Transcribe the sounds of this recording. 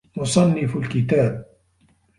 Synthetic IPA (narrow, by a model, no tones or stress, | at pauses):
mʊsˤɑnːɪflkɪt̪aːb̚